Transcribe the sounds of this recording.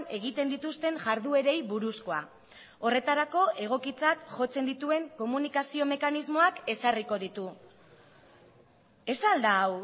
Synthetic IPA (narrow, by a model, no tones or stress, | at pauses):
ne̞ɣ̞it̪e̞nd̪it̪ust̪e̞ŋʝaɾðue̞ɾe̞jβuɾusko̞a̰ | o̞re̞t̪aɾako̞ʔe̞ɣ̞o̞kit͡sat̪ʝo̞t͡se̞nd̪it̪ue̞ŋko̞munikasio̞me̞kanizmo̞ake̞sariko̞ðit̪u | e̞sald̪aːw